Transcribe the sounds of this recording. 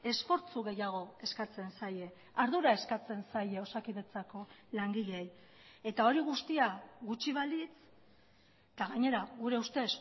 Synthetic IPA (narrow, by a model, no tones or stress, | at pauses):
e̞sfo̞ɾt͡suɣe̞jaɣ̞o̞e̞skat͡se̞nsaje̞ | aɾðuɾae̞skat͡se̞nsajeo̞sakiðe̞t͡sako̞laŋɡiʎej | e̞t̪ao̞ɾiɣ̞ust̪iaɣut͡ʃiβ̞alit͡s | t̪aɣaɲe̞ɾaɣuɾe̞ust̪e̞s